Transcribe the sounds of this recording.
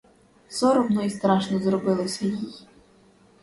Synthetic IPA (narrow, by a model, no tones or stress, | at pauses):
sɔɾɔmnɔjist̪ɾɑʃnɔzɾɔbɪlˠɔsʲɐjij